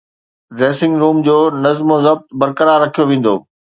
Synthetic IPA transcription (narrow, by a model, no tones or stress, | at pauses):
ɖɾeːsɪ̃ŋɡɾuːmd͡ʑoːnɐzmozɐb̚t̪bɐɾkəɾaːɾːɐkʰijoʋẽːn̆d̪oː